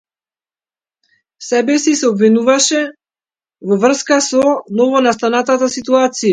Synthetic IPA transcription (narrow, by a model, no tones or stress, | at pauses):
sɛbɛsisɛɔbvinuvaʃɛ | vɔvr̩skasɔnɔvɔnast̪anat̪at̪asit̪uat̪sija